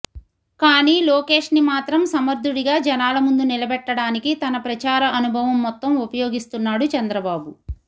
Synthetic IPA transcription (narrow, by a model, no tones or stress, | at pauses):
kaːniːloːke̞ːʂnimaːt̪ɾɐmsɐmɐɾd̪ʱuɽiɡaːd͡ʒɛnaːlɐmund̪unilɐbɛʈːɐɽaːnikit̪ɐnɐpɾɐt͡ʃaːɾɐʔɐnubʱɐʋɐmːɔt̪ːɐmupɐjoːɡist̪unːaːɽut͡ʃɐnd̪ɾɐbaːbu